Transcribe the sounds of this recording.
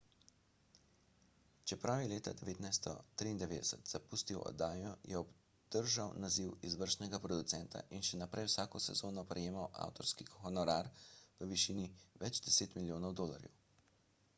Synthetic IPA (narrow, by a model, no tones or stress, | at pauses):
t͡ʃɛpɾawjɛleːt̪a̰d̪ɛʋeːt̪najst̪ɔ̰t̪ɾiːnd̪ɛʋeːd̪ɛsət̪z̥apust̪iwɔ̰d̪aːjɔjʔɛɔb | d̪̥əɾʒawnaziwizʋəɾʃnɛɡapɾɔd̪ut̪sɛnt̪a̰ʔinʃɛnapɾʔɛjwsaːkɔsɛ̰zoːnɔpɾɛjeːmawa̰ːwt̪ɔɾskixɔnɔɾaɾpəʋiʃiniʋɛd͡ʒd̪ɛseːt̪miljoːnɔwd̪oːla̰ɾjɛ̰w